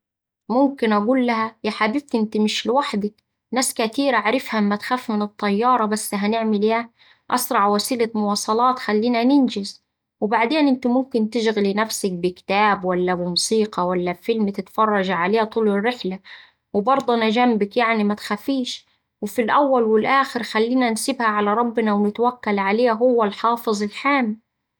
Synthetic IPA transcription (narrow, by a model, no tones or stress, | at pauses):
mʊmkɪnʔaɡuːlːaɦajaħabɪb̚t̪ʔɪnt̪imɪʃlɪwaħd̪ɪk | naːskat̪iːɾaʕɾɪfhamːat̪xaːfːmɪnɨt̪ˤːɑjːɑːɾˤɑbasːɦanɪʕmɪljaː | ʔɑ̰sɾˤɑʕwasiːlamʊwɑːsˤɑlɑːt̪xalːiːnanɪnd͡ʒɪz | wɪbaʕd̪eːnʔɪnt̪ɪmʊmkɪnt̪ɪʃɣlinafsak̚bɪkɪ̥t̪aːbwalːamɪmʊsiːqɑwalːafɪlmt̪ɪt̪fɑrˤːɑʒaʕaleːht̪ˤuːlɪrːɪħla | wɪbɑɾˤd̪ˤunad͡ʒambakjaʕnimat̪xafiːʃ | wɪfilʔawːalwɪlʔaːxɪɾxalːiːnansɪbhaʕalaɾˤɑbːɪnawnɪt̪wakːalʕaleːɦʊwːalħɑːfɨzˤɪlħaːmi